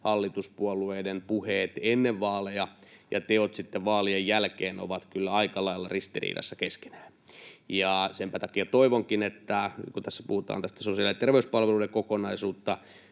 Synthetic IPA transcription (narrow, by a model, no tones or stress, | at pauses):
hɑlːit̪uspuolueːdempuheːt̪enːeʋʋɑːlejɑjɑ̰t̪eot̪sit̪ːeʋʋɑːliejjælkeːno̰ʋɑt̪kylːæɑikɑlɑilːɑrist̪irḭːdɑ̰sːɑkeske̥næː | jɑsempæt̪ɑkiɑt̪oiʋoŋkinet̪ːækut̪æsːæ̥puhut̪ɑ̰ːnt̪æst̪æ̥sosiɑliset̪erʋeyspɑlʋeludekokonɑisuːt̪ːɑ